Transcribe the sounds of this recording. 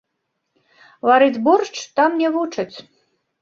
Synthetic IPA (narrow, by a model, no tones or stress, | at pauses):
vaɾɨd͡zʲbɔrt͡ʂt̪amnʲɛvut͡ʂɐt͡sʲ